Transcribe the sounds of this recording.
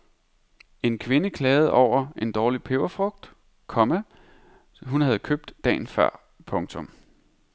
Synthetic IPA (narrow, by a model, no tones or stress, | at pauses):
e̝nkʰʋe̝nəkʰlɛːð̞̩ˠɒʊ̰ɐe̝nd̥ɒːlipʰeʊɐfʁɔ̽ɡ̥̚d̥ | kʰɒ̽mæ | ɦunhæð̞̩ˠkʰøb̥̚d̥ːɛ̰ːn̩fɶɐ̰ | pʰɔ̽ŋt͡sʰɔ̽m